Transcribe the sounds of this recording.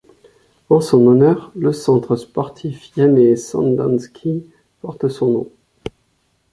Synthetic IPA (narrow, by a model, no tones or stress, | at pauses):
ɑ̃sɔ̃nɔnœʁləsɑ̃t̪χəspɔʁt̪ʰifjamesɑ̰̃nd̪ɑ̃nskʲi | pɔʁt̪sɔ̃nɔ̰̃